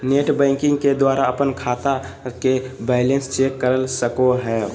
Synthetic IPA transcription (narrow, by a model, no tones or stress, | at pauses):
neʈbɛ̃ːŋkɪ̃ŋɡked̪waːɾaəpənkʰaːt̪a | kebɛːɪlẽnst͡ʃeːkːəɾəlsəkoɦɛ